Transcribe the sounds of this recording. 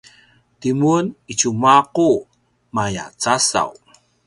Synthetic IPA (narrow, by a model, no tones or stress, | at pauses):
timunit͡ɕumaqu | maja̰t͡sasa̰w